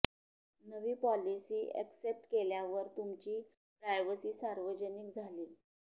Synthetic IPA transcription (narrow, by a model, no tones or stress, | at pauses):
nəʋiːpɔlisiːʔɛ̰ksep̚ʈkeljaʋəɾt̪umt͡ɕiː | pɾajʋəsiːsaɾʋəd͡ʑənik̚d͡zʱaliː